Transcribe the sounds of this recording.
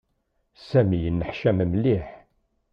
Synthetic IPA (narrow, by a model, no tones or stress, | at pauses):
sæmijənːəħʃæməmliħ